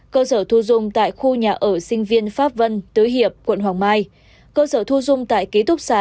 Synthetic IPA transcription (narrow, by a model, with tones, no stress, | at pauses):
kəː˧səː˧˩t̪ʰu˧zʊ˧ŋ͡mt̪a̰ː˧˨jxu˧ɲaː˨˩ʔəː˧˩sï˧ŋ̟vi˧ənfaː˦˥p̚və˧nt̪ɨː˨˦jɦi˨˩əp̚kwə̰˧˨nɦwaː˨˩ŋmaː˧j | kəː˧səː˧˩t̪ʰu˧zʊ˧ŋ͡mt̪a̰ː˧˨jke˦˥t̪ʊ˦˥k͡p̚saː˨